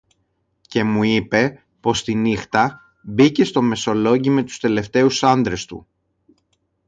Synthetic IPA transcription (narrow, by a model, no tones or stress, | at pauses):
ce̞muipe̞ | po̞st̪inixt̪ɐ | bice̞st̪o̞me̞so̞lo̞ɟime̞t̪u̥st̪e̞le̞ft̪e̞usɐnd̪ɾe̞st̪ṵ